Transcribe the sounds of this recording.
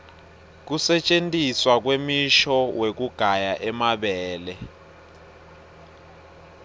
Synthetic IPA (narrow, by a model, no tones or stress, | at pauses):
k̬usɛt͡ʃʼentʼiswak̬wemiʃɔwek̬uɡ̥ʱajaʔɛmaɓɛːlɛ